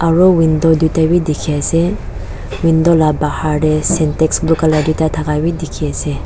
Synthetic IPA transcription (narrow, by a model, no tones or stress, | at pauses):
aɹɔwind̪ɔd̪ut̪awid̪ikʰiasɛ | wind̪ɔlabahaɾɛsɛntɛksbukalad̪ut̪at̪ʰakawid̪ikʰiase